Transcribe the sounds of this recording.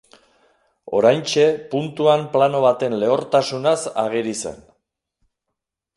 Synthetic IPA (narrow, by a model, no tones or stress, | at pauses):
o̞̰ɾajnt͡ʃe̞punt̪uamplano̞β̞at̪e̞nle̞oɾt̪asunasa̰ɣiɾise̞̰n